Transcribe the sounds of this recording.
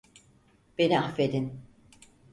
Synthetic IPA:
b̥e̞niafved̪in

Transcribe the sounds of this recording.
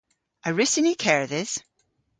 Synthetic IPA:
əɹɪsɪnikʰɛɹðɪz̥

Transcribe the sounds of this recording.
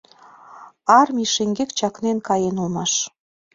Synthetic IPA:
ɑrmʲiʃeŋɡekt͡ɕɑknenkɑjenulmɑʃ

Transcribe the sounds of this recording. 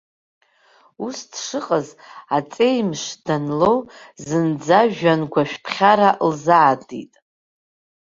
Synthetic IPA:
usdʂɨqʼəzat͡sʼe̞jmʃd̥anlo̞wzɨnd͡zaʒᶣanɡʷaʃᶣpʰχʲaɾalzaːdḭtʼ

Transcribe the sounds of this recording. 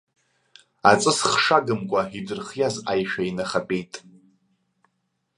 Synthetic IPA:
at͡sʼɨsχʂaɡɨmkʷʼaidɨrχjazajʃᶣainaχapʼejtʼ

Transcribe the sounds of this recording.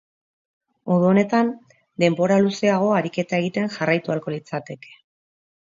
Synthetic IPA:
oðuone̞t̪an | d̪e̞mbo̞ɾaluse̞aɣ̞o̞aɾike̞t̪ae̞ɣit̪e̞ŋʝarajt̪ualko̞lit͡sat̪e̞ke̞̥

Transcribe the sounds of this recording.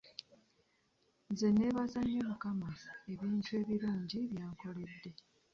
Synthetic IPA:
nze̞ne̞βazaɲomukamae̞βiːntue̞ːβiɾuːɲɟiβjaːŋko̞le̞dːe̞

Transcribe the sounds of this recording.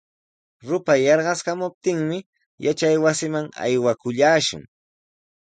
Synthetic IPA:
ɾʊpajɑɾɢɑskamʊp̚t̪ɪŋmɪ | jat͡ʃajwasɪmaŋa̰jwakʊʎaːʃʊ̰ŋ

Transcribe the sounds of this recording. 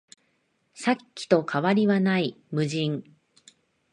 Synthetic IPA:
sakʲːi̥t̪o̞kʰaβaɾʲiβanai | mɯ̟ʑĩŋ

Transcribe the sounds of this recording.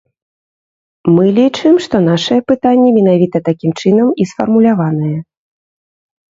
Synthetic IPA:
mɨlʲit͡ʂɨmʂt̪ɔn̪aʂɨjɛpɨt̪anʲːɛmʲɛnavʲit̪ɐt̪akʲimt͡ʂɨn̪ɐmisfɐrmulʲavanɨjɛ

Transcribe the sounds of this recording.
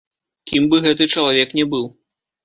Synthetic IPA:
kʲimbɨɣɛt̪ɨt͡ʂɐlˠavʲɛknʲɛbɨw

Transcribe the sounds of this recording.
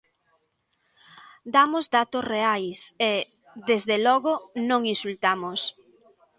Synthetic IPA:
d̪amʊzd̪at̪ʊsreajse | ðezðelɔɣʊnõŋĩnsult̪amʊs

